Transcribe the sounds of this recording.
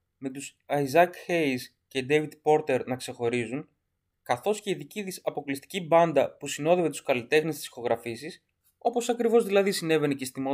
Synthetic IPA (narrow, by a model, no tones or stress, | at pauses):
me̞t̪usɐizɐkxejs | ce̞d̪evid̪po̞ɾt̪e̞ɾnɐkse̞xo̞ɾizun | kɐθo̞sce̞iðiciðisɐpo̞klist̪i̥cibɐnd̪ɐpusino̞ðe̞ve̞t̪u̥skɐlit̪e̞xnest̪i̥si̥xo̞ɣɾɐfisis | o̞po̞sɐkɾivo̞zðilɐðisine̞ve̞necest̪imo